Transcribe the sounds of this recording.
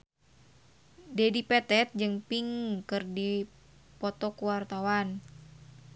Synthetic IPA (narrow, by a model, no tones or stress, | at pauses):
dedipɛt̪ɛt̪̚d͡ʒɨŋpiŋkɨrdi | pɔt̪ɔkuwart̪awan